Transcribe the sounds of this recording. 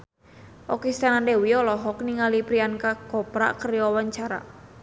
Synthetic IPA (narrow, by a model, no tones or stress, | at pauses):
ʔɔkist̪anandewiɔlɔɦɔkniŋalipɾiankakɔpɾa̰kərjɔwaɲt͡ʃaɾa̰